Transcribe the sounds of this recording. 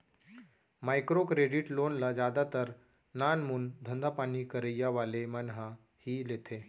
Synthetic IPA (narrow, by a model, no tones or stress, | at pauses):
majkɾokɾeɖiʈlonlad͡ʑad̪at̪əɾ | nanmund̪ʱənd̪ʱapanikəɾəjːaʋalemənɦa | hiːlet̪ʰe